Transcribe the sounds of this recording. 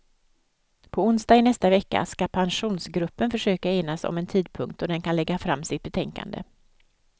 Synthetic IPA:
pʰɔʊnsd̪ɑːɪnɛst̪avɛkːa̰skapʰanɧuːnsɡɾɵpːənfœʂøːkaeːnasɔ̰mɛnt̪ʰiːd̪̚pʰɵŋk̚t̪ɔd̪ɛnkʰanlɛɡːafɾamːsɪt̪̚bɛt̪ʰɛŋka̰nd̪ə̰

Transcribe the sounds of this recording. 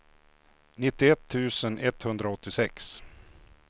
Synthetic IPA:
nɪt̪ːɪɛt̪ʰːʉ̟ːsənʔɛt̪ːhɵnd̪ɾaɔt̪ːɪsɛks

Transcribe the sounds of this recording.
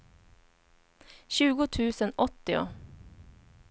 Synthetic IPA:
ɕʉːɡʊt̪ʰʉːsənɔt̪ːɪʊ̰

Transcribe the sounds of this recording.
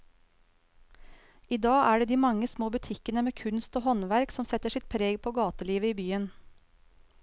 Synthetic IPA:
iːd̪ɑːʔæːɖeːd̪iːmɑŋəsmoːbʉt̪ʰɪkənəmeːkʰʉnst̪oːhɔnʋæɾksɔmsɛt̪əʂɪt̪̚pʰɾeːɡpʰoːɡɑːt̪əliːʋəiːbyːən

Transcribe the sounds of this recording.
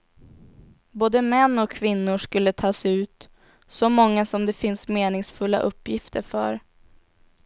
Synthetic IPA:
boːd̪əmɛnːɔkʰːvɪnːʊʂkɵlːət̪ʰɑːsɛʉ̟ːt̪ | sɔmɔŋːasɔmd̪ɛfɪnsmeːnɪŋsfɵlːa̰ʔɵpʰːjɪft̪ʰəɾfœ̰ɾ

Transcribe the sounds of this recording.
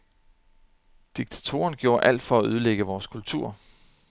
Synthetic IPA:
d̥iɡ̥̚t͡sʰæ̥t͡sʰo̝̰ːɐnɡ̥jo̝ːɐʔæl̰d̥fɒ̽æøð̞ˠleɡ̥əʋɒːskʰult͡sʰuɐ̰

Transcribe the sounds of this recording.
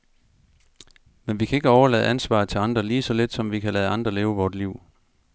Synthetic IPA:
menʋikʰæe̝ɡ̥əɒʊɐlɛːð̞̩ˠʔænsʋɑ̰̈ːt͡sʰe̝lɑ̈nd̥ʁɐliːsɒ̽le̝d̥sɒ̽mʋikʰælɛːð̞̩ˠɑ̈nd̥ʁɐleːʊəʋɒːd̥liʊ̰

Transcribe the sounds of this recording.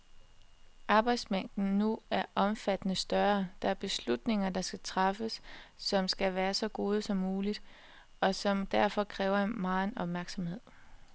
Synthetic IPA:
ʔɑ̈ːb̥ɑ̈ɪ̰d̥smæn̰d̥n̩nuæɐʔɒ̽mfæd̥ənəsd̥ɶɐd̥ɑ̈æɐb̥e̝slud̥ne̝ŋɐd̥ɑ̈sɡ̥æt͡sʰʁɑfəsːɒ̽msɡ̥æʋæːɐsɒ̽ɡ̥o̝ːð̞ˠəsɒ̽mːuːlid̥ | ɒ̽sɒ̽md̥æɐ̰fɒ̽kʰʁɛːʊɐenmɑ̈ːe̝nɒ̽b̥mæɐɡ̥sɒ̽mhe̝ð̞̰ˠ

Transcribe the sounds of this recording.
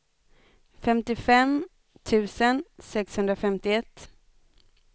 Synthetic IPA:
fɛmt̪ɪfɛm | t̪ʰʉ̟ːsənsɛkshɵnd̪ɾafɛmt̪ɪɛt̪ː

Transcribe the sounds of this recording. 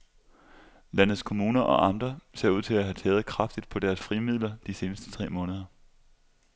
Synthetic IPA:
lænð̩ˠskʰo̝muːnɐʔɒ̽ʔɑ̈nd̥ʁɐse̝ɐ̰uð̰ˠt͡sʰe̝æɦæt͡sʰɛːð̩ˠkʰʁɑ̈fd̥id̥̚pʰɒ̽d̥æɐsfʁimið̞̰ˠlɐd̥ise̝ːnəsd̥ə̥t͡sʰʁɛ̰ːmɔ̽ːnəð̞ˠɐ

